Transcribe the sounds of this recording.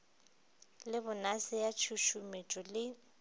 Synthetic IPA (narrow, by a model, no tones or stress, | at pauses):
lɪbʊnasɪjat͡ʃʰuʃumet͡ʃʼɔlɪ